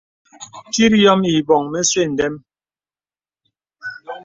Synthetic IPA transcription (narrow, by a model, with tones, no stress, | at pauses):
ti˦ɾjɔ˦mi˨bɔ˨ŋme˦swe˦˨n̩˨dɛ˦m